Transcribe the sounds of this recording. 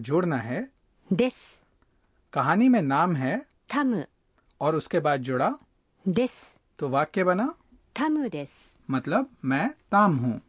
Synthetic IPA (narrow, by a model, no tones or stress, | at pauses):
d͡ʒʊːɽnaɦɛː | d̪es | kɐɦaːnimẽnaːmɦɛː | t̪ʰɐm | ɔːɾʊskebaːd̪̚d͡ʒʊɽa | d̪es | t̪oʋaːkːebɐna | t̪ʰɐmd̪es | mɐt̪ləbmɛ̃ːt̪aːmɦũː